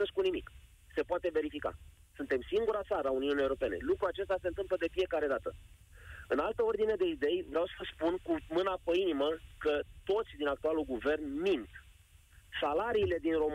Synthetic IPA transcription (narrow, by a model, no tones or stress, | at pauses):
əskunimik | se̞poat̪e̞ve̞ɾifika̰ | sunt̪e̞msiŋɡuɾat̪saɾəauniunijeuɾo̞peene̞̰lukɾuat͡ʃe̞st̪ase̞nt̪ɨmpləd̪e̞fije̞kaɾe̞d̪at̪ə | ɨnalt̪əo̞rd̪ine̞d̪e̞id̪e̞jvɾeawsəəspunkumɨnapəiniməkət̪o̞t̪sʲd̪inakt̪ualuɡuve̞rnmint̪ | salaɾiːle̞d̪inro̞m